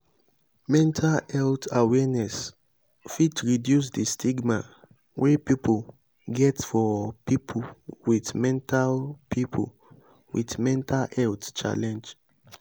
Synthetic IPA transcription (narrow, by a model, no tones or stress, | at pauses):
mɛ̃ntʰalɛltawɛnɛs | fitɹidjus̬distʰiɡma | wʔepipʰol | ɡɛtfɔpipʰowitmɛ̃ntalpʰipʰo̰ | wʔḭtmɛ̃ntʰalɛltt͡ʃa̰lɛ̃nd͡ʒ